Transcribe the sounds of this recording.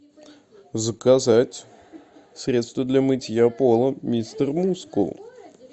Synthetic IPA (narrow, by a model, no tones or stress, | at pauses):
zəkazatʲ | sɾʲe̞t̪st̪vəd̪lʲamɨtʲjapolˠəmʲist̪ərmuskṵlˠ